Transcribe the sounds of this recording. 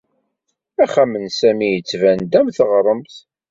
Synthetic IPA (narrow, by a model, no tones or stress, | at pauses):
æχæmənsæmijət͡sːvænd̪æmθəʁɾˤəmθ